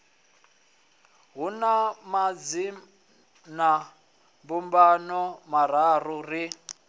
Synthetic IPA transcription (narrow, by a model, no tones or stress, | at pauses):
ɦunamad͡zi | na | mbumbanɔmaɾaruri